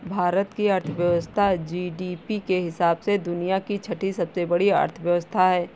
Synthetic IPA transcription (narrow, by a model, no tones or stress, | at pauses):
bʱaːɾət̪kiɐɾt̪ʰəʋjəʋəst̪ʰad͡ʒiːɖiːpikeɦɪsaːbsed̪ʊnijakit͡ʃʰɐʈʰisɐbsebɐɽiə̰ɾt̪ʰəʋjəʋəst̪ʰaɦɛː